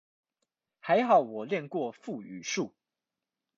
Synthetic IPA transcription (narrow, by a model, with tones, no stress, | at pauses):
xa˧˦ɪxɑ˨˩˦ʊwɔ˨˩ljɛ˥˨nkwɔ˥˨fu˥˨y˨˩ʂu˥˩